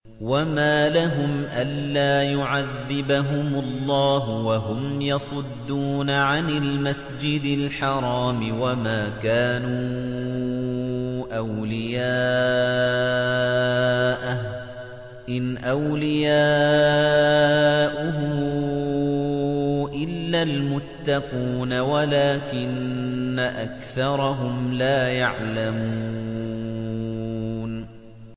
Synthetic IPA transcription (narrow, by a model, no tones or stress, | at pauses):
wamaːlaɦʊmʔanːaːjʊʕaðːɪbaɦʊmʊlˤːɑːɦʊwaɦʊmjɑsˤʊd̪ːuːnaʕanɪlmasd͡ʒɪd̪ɪlħɑɾˤɑːmɪwamaːkaːnuː | ʔawlɪjaː | ʔa | ʔɪnʔawlɪjaː | ʔʊɦʊ | ʔɪlːalmʊt̪ːɑquːnawalaːkɪnːaʔakθɑɾˤɑɦʊmlaːjaʕlamuː | n